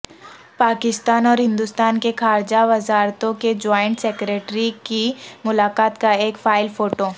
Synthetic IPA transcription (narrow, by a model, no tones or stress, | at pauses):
paːkɪst̪aːnɔːɾɦɪ̃nd̪ʊst̪aːnkexaːɾd͡ʒaʋɐzaːɾt̪õked͡ʒɔːɪ̃ɳʈseːkɾeːʈɾikimʊlaːkaːt̪kaeːkfaːɪlfoːʈoː